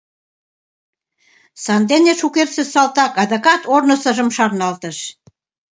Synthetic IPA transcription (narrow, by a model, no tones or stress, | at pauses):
sɑnd̪enʲeʃukersĕsɑlt̪ɑkɑd̪ɤ̆kɑt̪ornɤ̆sɤ̆ʒə̆mʃɑrnɑlt̪ə̆ʃ